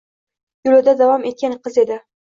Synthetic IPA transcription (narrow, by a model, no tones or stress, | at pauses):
jʊlʊd̪ad̪avɒme̞t̪̚kʲanqʰɨze̞d̪ɪ